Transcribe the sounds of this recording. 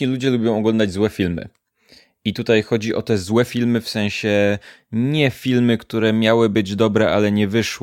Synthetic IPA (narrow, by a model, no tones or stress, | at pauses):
ɲilud͡ʑɛlubʲjɔ̃w̃ɔɡlɔnd̪ad͡ʑzwɛfʲilmɘ̰ | it̪ut̪ajxɔd͡ʑiʔɔ̰t̪ɛzwɛfʲilmɘfsɛ̃w̃ɕɛ | ɲɛfʲilmɘkt̪uɾɛmʲjawɘbɘd͡ʑd̪ɔbɾɛʔalɛɲɛvɘʂw